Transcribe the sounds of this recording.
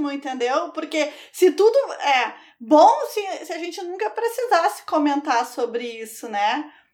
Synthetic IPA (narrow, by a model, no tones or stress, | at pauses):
nʊ̃ẽnt̪ẽnd̪ewpoɾkesɪt̪ud̪ʊɛ | bõsɪsɪaʒẽnt͡ʃɪnũkɐpɾesizasɪ̥komẽnt̪aɾsobɾɪisʊnɛ